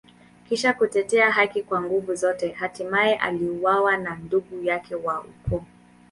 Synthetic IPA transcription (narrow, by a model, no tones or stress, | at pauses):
kiʃakutɛtɛaɦakikwaŋɡuvuzɔtɛhatimaɛʔa̰liuwawananduɡujakʰɛwaṵkɔ